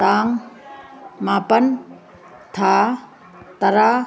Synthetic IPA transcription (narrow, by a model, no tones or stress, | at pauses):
t̪aːŋ | mapɐn | t̪ʰa | t̪ɐɾa